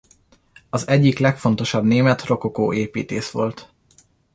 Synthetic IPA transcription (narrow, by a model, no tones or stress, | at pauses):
ɒzɛɟːiklɛkfont̪o̞ʃɒbneːmɛt̪ro̞kokoːeːpiːt̪eːʃʋo̞lt̪